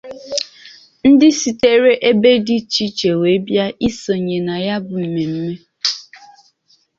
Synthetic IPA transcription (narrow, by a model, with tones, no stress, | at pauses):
n̩˦dɪ˦si˨te˦ɾe˦ʔe˦be˦dɪ˦t͡ʃi˦t͡ʃe˨we˨˦bja˦i˦so˨ɲe˨na˨ja˦bʊ˨m̩˨me˨m̩˦me˦